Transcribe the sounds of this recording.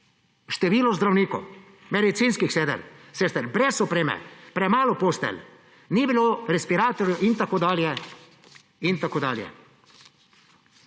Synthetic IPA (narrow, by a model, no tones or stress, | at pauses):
ʃt̪ɛʋiːlɔzd̪ɾawniːkɔ̰w | mɛd̪it̪siːnskixsɛːd̪ɛ̰ɾseːst̪ɛɾbɾɛsɔpɾeːmɛ̰pɾɛmaːlɔpost̪ɛ̰l | niːbiloɾɛspiɾaːt̪oɾjɔʔint̪akoːd̪aːljɛ | int̪akoːd̪a̰ːljɛ̰